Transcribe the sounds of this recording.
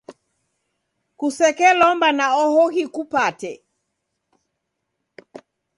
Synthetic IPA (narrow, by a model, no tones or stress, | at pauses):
kusɛkɛlɔmbanaɔhɔhikupatɛ